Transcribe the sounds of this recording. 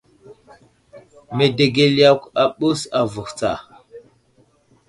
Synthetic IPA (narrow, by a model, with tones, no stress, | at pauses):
me˨de˨ɡe˦la˦ka˨ɓu˦sa˨vu˨xt͡sa̰˨